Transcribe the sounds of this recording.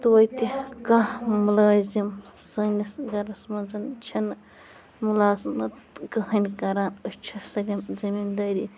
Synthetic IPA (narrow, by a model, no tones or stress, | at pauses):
t̪uwɐjt̪ikamulaːzimsɐnisɡɐɾɐsmɐnzɐnt͡ʃʰin | mulaːzmɐt̪kɐɦɐnikɐɾaːnɐt͡ʃʰɐsɐlʲimzɐmiːnd̪aːɾi